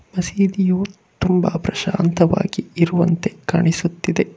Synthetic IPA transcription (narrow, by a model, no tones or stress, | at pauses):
mɐsiːd̪ijuː | t̪umbɐ̰pɾɐʃaːnt̪ɐʋa̰ːɡiiɾuʋɐnt̪e̞kaːɳisut̪ːid̪e̞